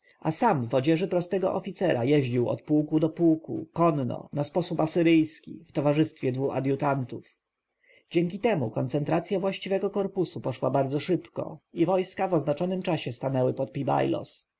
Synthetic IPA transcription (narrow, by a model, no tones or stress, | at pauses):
asamvɔd͡ʑɛʐɘpɾɔst̪ɛɡɔ̰ʔɔfʲit̪sɛɾajɛʑd͡ʑiwɔ̰t̪̚puwkud̪ɔpuwkṵkɔnːɔ̰naspɔsupasɘɾɘjskʲḭft̪ɔvaʐɘst̪fʲjɛd̪vua̰d̪jut̪ant̪uf | d͡ʑɛŋkʲit̪ɛmukɔnt̪sɛnt̪ɾat̪sʲjavwaɕt͡ɕivɛɡɔkɔɾpusupɔʂwa̰baɾd̪zɔʂɘpkɔ̰ivɔjskavɔznat͡ʂɔnɘmt͡ʂaɕɛst̪anɛwɘpɔt̪̚pʲiba̰jlɔ̰s